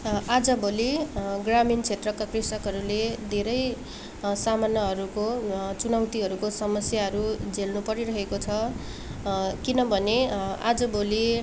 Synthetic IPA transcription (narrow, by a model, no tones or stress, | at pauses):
ad͡zʌboliɡramint͡sʰet̪rʌkakrisʌkɦʌɾuled̪ʱeɾʌj | samanːʌɦʌɾukot͡sunʌwt̪iɦʌɾukosʌmʌsjaɦʌɾud͡zelnupʌɾiɾʌɦekot͡sʰʌ | kinʌbʱʌnea̰d͡zʌboli